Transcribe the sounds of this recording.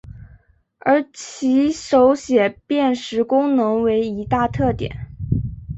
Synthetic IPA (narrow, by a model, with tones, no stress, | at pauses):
ə˞˧˥t͡ɕʰi˧˥ʂo˧˥ʊɕjɛ˨˩pjɛ˥˩nʂɻ̩˧˥kʊ˥ŋnɤ˧˥ŋwe˧˥ɪi˧˥t̪a˥˧t̪ʰɤ˥˩t̪jɛ̰˨˩˦n